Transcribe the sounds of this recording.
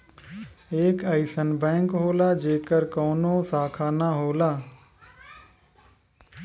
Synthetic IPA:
eːkəɪsənbɛ̃ːŋkɦoːlaːd͡ʒeːkəɾkɔːnõːsaːkʰaːnaɦoːlaː

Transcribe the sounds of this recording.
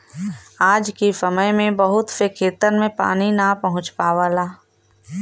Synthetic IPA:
aːd͡ʒkisɐməjmẽbɐɦʊt̪fekʰeːt̪əɾmẽpa̰ːninapɐɦʊ̃t͡ʃpaːʋaːlaː

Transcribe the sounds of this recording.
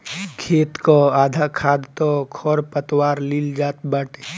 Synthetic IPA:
kʰeːt̪koaːd̪ʱakʰaːd̪t̪okʰɔɾpət̪waːɾlild͡ʒaːt̪bəʈ

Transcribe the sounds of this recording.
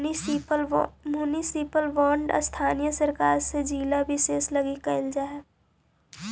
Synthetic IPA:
mjuːnisipəlʋɔːɳɖəst̪ʰaːnijəsəɾkaːɾsed͡ʒiːlabʱɪʃeːslɐɡikɐɪld͡ʒaːɛː

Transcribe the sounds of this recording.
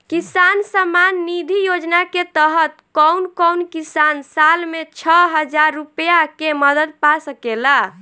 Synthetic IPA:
kisansamanːid̪ʱijod͡ʒnaket̪əɦət̪kɔwnkɔwnkisansalmet͡ʃʰəɦəd͡ʒaɾːupjakeməd̪əd̪̚pasəkela

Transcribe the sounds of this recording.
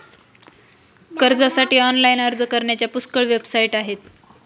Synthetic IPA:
kəɾd͡zasaʈiːɔnlainəɾd͡zəkəɾɳjat͡ɕjapuskəɭʋebsaiʈaɦet̪

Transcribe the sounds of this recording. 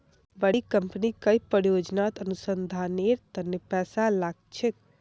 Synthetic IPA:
bəɽikəmpnikəjpəɾjod͡ʒnat̪ənusənd̪ʱaneɾt̪ənːepɛsalaɡ̚t͡ʃʰek̚

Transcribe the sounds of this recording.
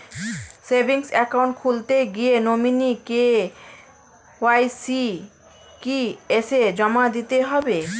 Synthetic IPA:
sebʱiŋsɛkawɳʈ̚kʰult̪eɡienominike | oajsi | kiesed͡ʑɔmad̪it̪eɦɔbe

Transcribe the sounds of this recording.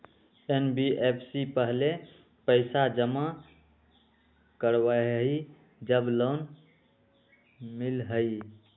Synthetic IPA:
enbiʔepʰsipəɦle | pəɪsad͡ʒəma | kəɾwəɦi | d͡ʒəblon | milɦəi

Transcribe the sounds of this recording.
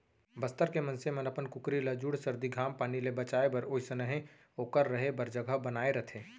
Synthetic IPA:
bɐst̪əɾkemɐnsemɐnɐpənkʊkɾiləd͡ʒuɽsɐɾd̪iɡʱaːmpaːnilebɐt͡ʃaːebɐɾoːisənɐɦẽ | okəɾːɐɦebɐɾd͡ʒəɡəɦbɐnaːeɾɐt̪ʰẽː

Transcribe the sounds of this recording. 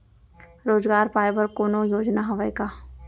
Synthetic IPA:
ɾoːzɡaːɾpaːɪbəɾkoːnojoːd͡ʒnaɦɐʋajka

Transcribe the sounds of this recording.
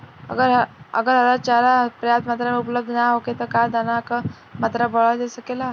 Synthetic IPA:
ə̰ɡəɾɦə̰ɡəɾɦəɾat͡ʃaɾapɾəjat̪mat̪ɾameupləb̚d̪ʱnaɦoket̪əkad̪anak | mat̪ɾabəɭad̪esəkela

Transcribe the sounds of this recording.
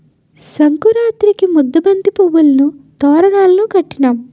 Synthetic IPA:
sɐŋkuɾaːt̪ɾikimud̪ːɐbɐnd̪ipuwːulɐnut̪ɔːɾɐɳaːlɐnukɐʈːinaːm

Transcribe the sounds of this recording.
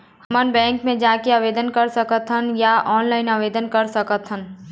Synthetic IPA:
hmənbɛ̃ːŋkmẽd͡ʒaːkeaːʋeːd̪ənkɐɾsəkət̪ɦənjaɔːnlaːɪnaːʋeːd̪ənkəɾsəkət̪ɦən

